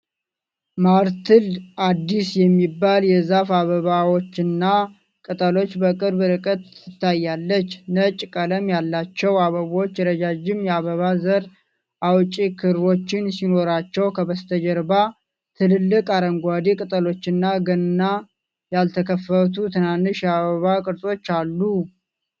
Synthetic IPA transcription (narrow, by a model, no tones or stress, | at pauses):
maɾt̪ʰɨlad̪ːisjɛmːibːaljɛzafaβəβawo̞t͡ʃːɪnːa | kʼɨt̪ʼəlo̞t͡ʃːbəkʼɨɾbɾɨkʼət̪ɨt̪ʰːajːalːət͡ʃːnət͡ʃʼkʼələmjalːat͡ʃːɛwaβəβo̞t͡ʃːjɛɾəd͡ʒad͡ʒɪmjɛaβəβazəɾ | ʔawt͡ʃʼikʰɨɾβo̞t͡ʃːɪnsino̞ɾat͡ʃːɛwkʰəβəst̪ʰəd͡ʒəɾba | t̪ʰɨlɨlːɨkʼaɾəŋɡʷad̪ikʼɨt̪ʼəlo̞t͡ʃːɪnːaɡənɨnːa | jalt̪ʰəkʰəfːət̪ʰut̪ʰɨnanːɨʃjɛaβəβakʼɨɾsʼo̞t͡ʃːalːu